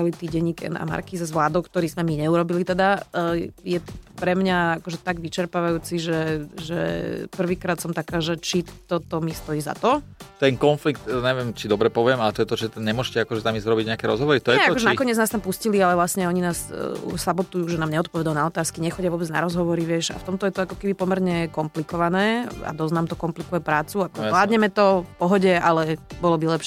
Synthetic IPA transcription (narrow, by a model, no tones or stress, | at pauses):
alit̪iːɟɛɲikɛ̰na̰ma̰ɾkizazʋlaːd̪ɔʊkt̪ɔɾiːzmɛmiɲɛuɾɔbilit̪ɛd̪a | jɛpɾɛmɲaakɔʒɛt̪aɡʋit͡ʃɛɾpaʋajuːt͡siʒɛʒɛ̰pr̩ʋiːkɾaːt̪sɔmt̪akaːʒɛt͡ʃit̪ɔt̪ɔmist̪ɔjiːza̰t̪ɔt̪ɛŋkɔnflikt̪ɲɛʋɪɛmt͡ʃid̪ɔbɾɛpɔʋɪɛmalɛt̪ɔjɛt̪ɔt͡ʃɛɲɛmʊɔʃcɛakɔʒɛt̪amiːzzɾɔbiɟɲɛakɛɾɔzɦɔʋɔɾit̪ɔjɛɛakɔʒɛnakɔɲɛd͡znaːst̪ampuscilialɛvlasɲɛɔɲinaːsṵsabɔt̪ujuːʒɛnaːmɲɛɔt̪̚pɔʋɛd̪alnaɔt̪aːskiɲɛxɔɟɪaʋɔːbɛd͡zna̰ɾɔzɦɔʋɔɾiʋɪɛʃa̰ft̪ɔmt̪ɔjɛt̪ɔakɔkɛbipɔmɛɾɲɛkɔmplikɔʋanɛːa̰d̪ɔznaːmt̪ɔkɔmplikujɛpɾaːt͡suakɔlaːd̪ɲɛmɛt̪ɔfpɔɦɔɟɛalɛbɔlɔbilɛpʃ